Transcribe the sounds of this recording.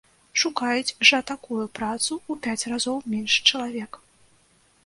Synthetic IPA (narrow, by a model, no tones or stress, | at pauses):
ʂukajut͡sʲʐɐt̪akujupɾat̪suupʲat͡sʲrazɔwmʲɛnʂt͡ʂɐlˠavʲɛk